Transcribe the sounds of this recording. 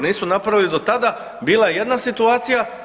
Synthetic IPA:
niːsunapɾaʋilid̪ot̪ad̪a | biːlˠaeje̞d̪nasit̪uaːt̪sija

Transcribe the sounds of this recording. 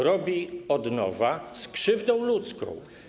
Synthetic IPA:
ɾɔbʲiɔd̪nɔ̰vaskʂɘvd̪ɔ̃w̃lut̪skɔ̰̃w̃

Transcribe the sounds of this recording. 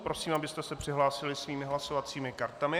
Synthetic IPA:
pɾo̞siːmabɪst̪ɛsɛpr̝̥ɪɦlaːsɪlɪsviːmɪɦlaso̞vat͡siːmɪkaɾt̪amɪ

